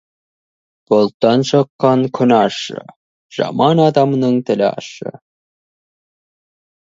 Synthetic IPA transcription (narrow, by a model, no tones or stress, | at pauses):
bolˠt̪ːɑnʃɑqːɑnkʲʰɵ̆nɑʃɤ̰ | ʒ̥ɑ̰mɑnɑd̪ɑmnɤɴt̪ɘ̆lʲɑ̰ʃɤ̰